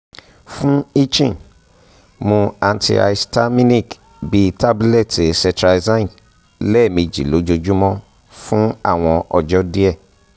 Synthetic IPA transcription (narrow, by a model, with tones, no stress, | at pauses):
fũ˦i˦t͡ʃĩ˦˨ | mõ˧a˧ntʰḭ˧a̰˧i˧sta˦mĩ˦nĩ˦˨k | bi˧ta˦bu˦lɛ˦˨te˨sɛ̃˧tɾa˧zã˦˨ | lɛ˦˨mĩ˧d͡ʒi˨lo˨˦d͡ʒo˧d͡ʒu˦mɔ̃˦ | fũ˦a̰˦˨w̃ɔ̃˧ʔɔ˧d͡ʒɔ˦di˦ɛ˦˨